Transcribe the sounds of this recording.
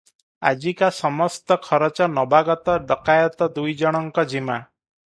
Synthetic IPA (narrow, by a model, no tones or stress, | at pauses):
a̰d͡ʒikasɔmɔst̪ɔkʰɔɾɔt͡ʃɔnɔbaɡɔt̪ɔɖɔkajɔt̪ɔd̪ujd͡ʒɔɽ̃ɔŋkɔd͡ʒima